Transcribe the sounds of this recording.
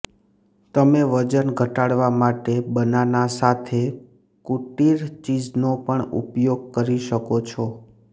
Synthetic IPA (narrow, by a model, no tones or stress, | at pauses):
t̪əmeʋəd͡ʒənɡʱəʈaɽʋamaʈebənanasat̪ʰe | kuʈiɾt͡ʃid͡ʒnopəɳṵpjoɡ̚kəɾiʃəkot͡ʃʰɔ